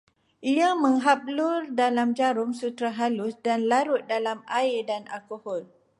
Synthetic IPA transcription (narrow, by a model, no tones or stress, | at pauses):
ʔiamə̃ŋɦap̚lʊrdalamd͡ʒaɾʊŋsut̪ɾaɦalʊsdanlaɾʊt̪̚dalamaɪdanʔalkohɔl